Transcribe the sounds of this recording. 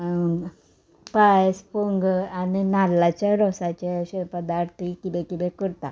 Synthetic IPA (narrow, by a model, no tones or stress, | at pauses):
pajspuŋɡaninalːat͡ɕjaɾɔsat͡ɕeɕepəd̪aɾt̪ʰikid̪ɛkid̪ɛkəɾt̪a̰